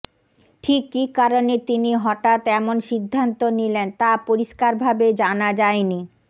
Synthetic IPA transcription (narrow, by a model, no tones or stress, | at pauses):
ʈʰikːikːaɾonet̪iniɦɔʈat̪ɛmonʃid̪ʱːant̪onilent̪apoɾiʃkaɾbʱabed͡ʑanad͡ʑaeni